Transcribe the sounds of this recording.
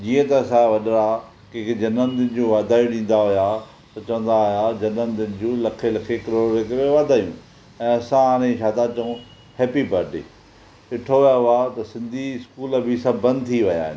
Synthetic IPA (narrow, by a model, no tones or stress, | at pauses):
d͡ʑiːə̃t̪ɐsãʋɐɗɾa | kekd͡ʑɐnənd̪ɪnɪd͡ʑoːʋaːd̪ʱaːũɗĩːn̆d̪aɦʊja | t̪ɐt͡ɕɐʋə̃nd̪aɦʊjad͡ʑɐnənd̪ɪnɪ̆d͡ʑolɐkʰelɐkʰekɐɾoːɾɾekɐɾẽʋaːd̪ʱaːjṵ̃ː | ɛ̃ːɐsãaːñẽʃʰaːt̪at͡ɕɐũ | heːpibɐɾɖɪ | ɪʈʰoʋɐjaɦʊat̪ɐsɪ̃nd̪ʱiɪskuːlə̆bɪsɐbʱːɐ̃nd̪̚t̪ʰiʋɐja̰ːɦɪ̰nɪ